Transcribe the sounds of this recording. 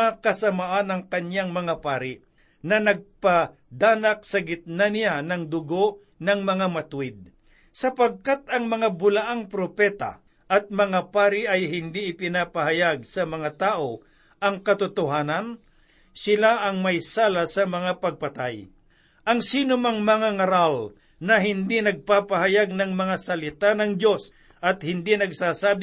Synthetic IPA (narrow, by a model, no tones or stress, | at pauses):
akɐsɐmaʔanɐŋkɐnaŋmɐŋapaːɾɪ | nɐnɐɡ̚pa | d̪aːnɐk̚sɐɡɪt̪̚nanɪjanɐŋd̪ʊɡoʔ | nɐŋmɐŋamɐt̪ʊwɪd̪̚ | sɐpɐɡ̚kat̪̚ɐŋmɐŋabʊlaʔaŋpɾopɛːt̪a̰ | ʔɐt̪̚mɐŋapaːɾɪʔɐjɦɪnd̪iʔɪpɪnapɐhajaɡ̚sɐmɐŋat̪aːʔo̞ | ʔɐŋkɐt̪ʊt̪ʊɦaːnɐn | sɪlaʔɐŋmɐjsaːlasɐmɐŋapɐɡ̚pɐt̪aj | ʔɐŋsiːnʊmaŋmɐŋaŋɐɾal | nɐɦɪnd̪inɐɡ̚paːpaɦajaɡ̚nɐŋmɐŋasɐlɪt̪anɐŋd̪jo̞s | ʔɐt̪̚hɪnd̪inɐɡsaːsaːb